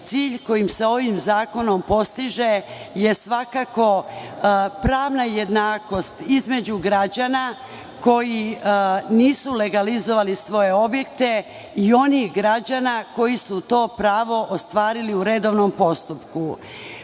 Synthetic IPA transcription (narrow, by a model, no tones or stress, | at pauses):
t̪siːʎko̞jimseo̞ʋimzaːko̞no̞mpo̞st̪iʒe̞ | je̞sʋakako̞ | pɾaːʋnajed̪naːko̞st̪izme̞d͡ʑuɡɾad͡ʑana | ko̞ji | niːsule̞ɡalizo̞ʋalisʋo̞je̞o̞bje̞kt̪e̞ | io̞nixɡɾad͡ʑanako̞jisut̪o̞ːpɾaːʋo̞ʔost̪ʋaːɾiliuɾe̞d̪o̞ʋnompo̞st̪upku